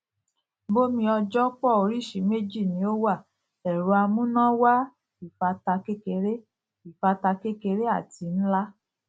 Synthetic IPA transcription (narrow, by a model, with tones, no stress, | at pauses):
bo˦mĩ˧ɔ˧d͡ʒɔ˦k͡pɔ˦˨o˨ɾi˦˨ʃi˨˦me˦˨d͡ʒi˦˨nĩ˧˦o˦wa˦˨ | ɛ˨ɾo˧a˧mũ˦nã˦wa˦ | i˨fa˧ta˧ke˦ke˧ɾe˦ | i˨fa˧ta˧ke˦ke˧ɾe˦a˦˨ti˨˧n̩˦la˦